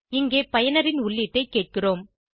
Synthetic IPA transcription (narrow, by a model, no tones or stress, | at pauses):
ɪŋɡeːpɐjɐnɐɾɪnʊɭːɪʈːɐɪkːeːʈ̚kɪroːm